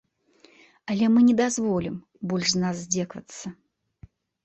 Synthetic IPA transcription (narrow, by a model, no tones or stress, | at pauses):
ɐlʲɛmɨnʲɛd̪azvɔlʲim | bɔlʲʂznasːʲd͡zʲɛkvɐ̰t̪sːɐ